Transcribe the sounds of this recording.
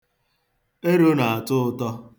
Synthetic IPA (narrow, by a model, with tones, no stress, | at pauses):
e˦ɾo˦na˨a˨tʊ˦ʊ˦tɔ˦